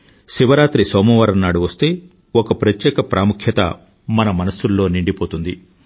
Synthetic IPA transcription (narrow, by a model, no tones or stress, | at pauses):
ʃiʋɐɾaːt̪ɾisɔːmɐʋɐːɾɐnːaːɽuʋɐst̪e̞ː | okɐpɾɐt̪jɛːkɐpɾʔaːmukʰjɐt̪ɐ̰ | mɐnɐmɐnɐsulːo̞ːniɳɖipo̞ːt̪und̪i